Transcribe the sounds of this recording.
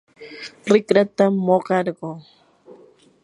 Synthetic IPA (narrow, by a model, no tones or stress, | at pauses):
ɾɪkɾat̪amːoɢɑɾɢoː